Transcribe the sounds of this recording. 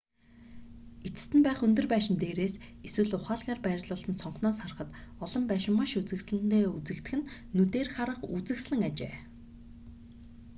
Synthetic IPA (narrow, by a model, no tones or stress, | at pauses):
et͡s̆st̪ɘ̆mpæːχɵnt̪ɵ̆rpæːʃɪ̆nt̪eːɾeːseswɘ̆ɮʊχaːɮɣʲaːrpæːrʲt̪ɮʊːɮə̆nsɔɴχnɔːsar̆χə̆t̪ɔɮɞ̆mpæːʃɪ̆mːaʃut͡sɘ̆ksɮɘ̆nt̪eːut͡sɘ̆kt̪ɘ̆xɘ̆nː | ut̪eːrχaɾə̆χut͡sɘ̆ksɮɘ̆ŋat͡ɕḛː